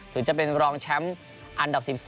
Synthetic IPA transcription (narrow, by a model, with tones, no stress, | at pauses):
t̪ʰɨː˨˩˦t͡ɕə˧˥p̚ːi˧nɾɔː˧ŋt͡ɕʰa˧˥m | ʔa˧nda˨˩p̚si˧˩p̚s